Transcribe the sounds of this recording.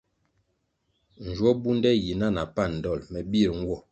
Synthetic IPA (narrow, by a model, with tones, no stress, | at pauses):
n̩˨d͡ʒwɔ˦bu˦ndɛ˦ji˨na˦˨na˨pa˦˨n̩˨dɔ˦˨lmɛ˨bi˦˨ɾŋ˦wɔ˦˨